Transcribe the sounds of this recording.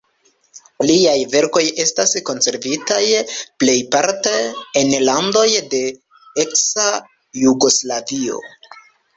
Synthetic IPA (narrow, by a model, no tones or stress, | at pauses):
liajve̞ɾko̞je̞stasko̞nse̞ɾvitajple̞jpaɾteenlando̞jde̞ | eksa | juɡo̞slavio̞̰